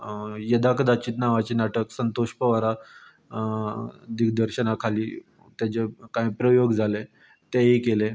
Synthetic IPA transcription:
jəd̪akəd̪at͡ɕiːt̪naʋat͡ɕiːnaʈəksənt̪oɕpəʋaɾa | d̪ikd̪əɾɕənakʰaliː | t̪jat͡ɕekãĩpɾəjoɡd͡zʱale | t̪eɦikele

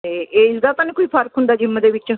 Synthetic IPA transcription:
eeɪsd̪at̪ãnẽkoiːpʰəɾkɦʊ̃nd̪aːd͡ʒɪmːəd̪eʋɪt͡ʃ

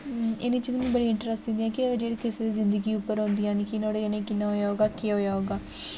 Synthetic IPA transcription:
ɪniːt͡ʃiːzmĩːbəɽiːɪ̃ɳʈɾəsʈɪ̃nd̪iɦɛ̃ːkɪd͡ʒeːɽeːkɪsed̪iːzɪnd̪əɡiːʊpːəɾɦõːnd̪ijãːnikɪnoːɽeːnẽːkɪnːaːɦoːjaːɦoːɡaːkeɦoːjaːɦoːɡaː

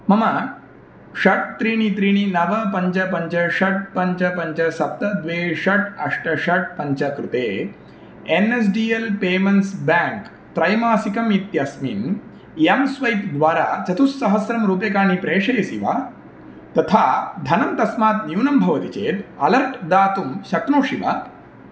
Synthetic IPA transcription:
mɐmɐ | ɕɐʈ̚t̪ɾiːɳ̃it̪ɾiːɳ̃inɐʋɐpɐɲt͡ʃɐpɐɲt͡ʃɐɕɐʈ̚pɐɲt͡ʃɐpɐɲt͡ʃɐsɐp̚t̪ɐd̪ʋeːʃɐʈɐʂʈɐɕɐʈ̚pɐɲt͡ʃɐkɾut̪eː | enes̬ɖiːelpeːmɐnsbæ̃ŋk | t̪ɾɐjmaːsikɐmit̪jasmḭn | jɐmsʋɐjt̪d̪ʋaːɾaːt͡ʃɐt̪usːɐɦɐsɾɐmɾuːpekaːnipɾeːʂɐjɐsḭʋa̰ː | t̪ɐt̪ʰaːd̪ʱɐnɐmt̪ɐsmaːt̪njuwnɐmbʱɐʋɐt̪it͡ʃeːt̪ɐlɐɾʈʰd̪aːt̪umɕɐknoːʂiʋa̰

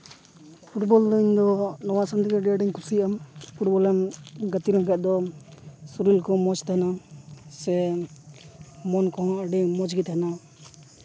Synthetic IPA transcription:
pʰuʈbɔld̪ɔiɲd̪ɔnɔwasand̪iɡɛɖɛɖiɲkusiampʰuʈ̚bɔlɛmɡət̪iɾaŋkat̪̚d̪ɔ | suɾilkɔ̃mɔt͡ʃt̪anasɛ | mɔnkɔ̃əɖimɔd͡ʒɡit̪ana

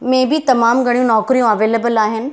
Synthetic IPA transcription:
mẽbɪt̪ɐmaːmɡʱɐɽijũnɔːkɾijũɐʋeːleːbəlaːɦɪnɪ̆

